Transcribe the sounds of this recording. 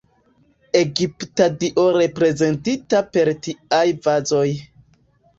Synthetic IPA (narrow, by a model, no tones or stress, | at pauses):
e̞ɡiptadiʔo̞ɾe̞pɾe̞ze̞ntitape̞ɾtiajvazo̞j